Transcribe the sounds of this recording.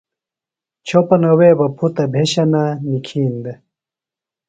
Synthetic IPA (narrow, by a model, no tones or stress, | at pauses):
t͡ɕʰopɐnɐweːbɐpʰut̪ɐbʱeɕɐnanikʰiːnd̪e